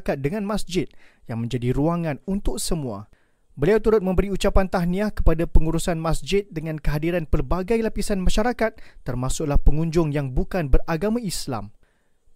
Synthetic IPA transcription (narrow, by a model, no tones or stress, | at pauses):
kat̪̚dəŋãnmasd͡ʒɪt̪̚jaŋmə̃ɲd͡ʒadiɾuaŋãnunt̪ʊk̚səmũa̰ | bəliawt̪uɾʊt̪̚mə̃mbəɾiut͡ʃapant̪aɦniakə̥padapəŋuɾusanmasd͡ʒɪt̪̚dəŋãnkəɦadiɾanpərbaɡajlapisanmãʃaɾakat̪̚ːərmãsʊk̚lahpəŋũɲd͡ʒʊŋjaŋbukanbəraɡamãisla̰m